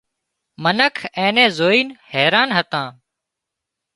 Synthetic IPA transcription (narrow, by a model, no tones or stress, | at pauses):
mənəkʰẽːnẽːzoːiːnhɛːɾaːnɦət̪ãː